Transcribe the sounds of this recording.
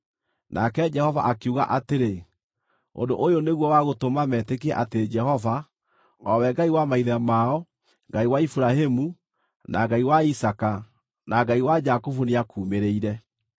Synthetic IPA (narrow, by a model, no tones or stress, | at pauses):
nʔa̰kɛd͡ʒɛhɔva̰ʔakeuɣa̰ʔateɾe | o̰ndoʔojoneɣwɔwaɣotomamɛtekeɛʔateɾed͡ʒɛhɔva | ɔwɛɡaiwamaiðamaɔ | ŋɡaiwaifuɾaɦemu | naɡaiwaisaka | naɡaiwad͡ʒakofuneakuːmeɾeiɾɛ